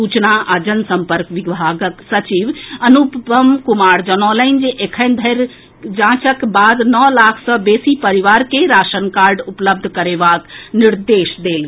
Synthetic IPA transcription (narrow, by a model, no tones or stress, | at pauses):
ut͡ʃnaʔad͡ʒənsəmpəɾkʋiɡbʱaɡəksət͡ʃiʋənupbəmkumaːɾd͡ʒənɔləɪnd͡ʒeʔekʰənd̪ʱəɾ | d͡ʒãːt͡ʃəkbaːd̪nɔlaːkʰsəbeːsipəɾiʋaːɾkeɾaːʃənkaːɾɖupləb̚d̪ʱkəɾeʋaːkniɾd̪eːʃd̪eːlɡ